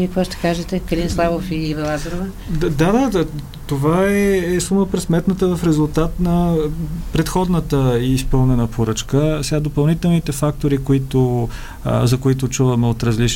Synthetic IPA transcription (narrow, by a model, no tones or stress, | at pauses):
ikvɔʃt̪ɛ̥kaʒɛt̪ɛkɐɾinslˠavofivɛlˠazəɾovə | d̪ad̪a | t̪ovaɛːsuməpɾɛsmɛt̪nət̪əvəfɾɛzʊlˠt̪at̪nɐ | pɾɛt̪xɔd̪nət̪əiːspɤlˠnɛnəpʰoɾɤt͡ʃkəsɛɡad̪opɐlˠnit̪ɛlˠnit̪ɛfak̚t̪oɾikoit̪ʊ̰ | zɐkoit̪̬ʊt͡ʃuvəmɛot̪ɾəzlit͡ʃ